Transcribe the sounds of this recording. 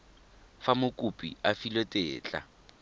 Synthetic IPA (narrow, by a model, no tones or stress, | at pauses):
famʊkʼupʼḭafilotʼeːt͡ɬʼa̰